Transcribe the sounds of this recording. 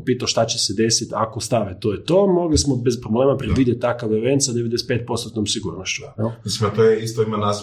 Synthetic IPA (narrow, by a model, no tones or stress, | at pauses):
piːt̪aoʃt̪at͡ɕesed̪esit̪akost̪aʋet̪oːjet̪oːmo̞ɡlismobespɾobleːmapɾed̪ʋid̪jet̪̚t̪ːakaʋeʋensad̪eʋed̪eset̪pet̪̚po̞st̪ot̪nomsiɡuːɾnoʃt͡ɕuɛlmisimat̪ojeist̪oimanas